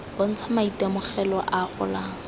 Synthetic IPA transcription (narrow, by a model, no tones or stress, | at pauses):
b̥on̩t͡sʰamaitemʊχɛlɔʔaχʊ̰laːŋ̩